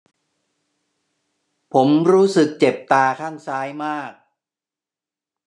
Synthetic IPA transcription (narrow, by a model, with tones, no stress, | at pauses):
pʰo˩˦mɾuː˦˥sɯ˨˩k̚t͡ɕe˨˩p̚t̪aː˧kʰaː˥˩ŋsaː˦˥jmaː˥˩k̚